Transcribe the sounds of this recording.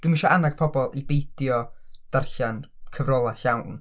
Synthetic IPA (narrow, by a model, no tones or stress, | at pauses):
d̥wimiʃɔʔanaɡ̥̚pʰɔbɔlˠibejd̥jɔd̥arɬan | kʰəvrɔlˠaɬawn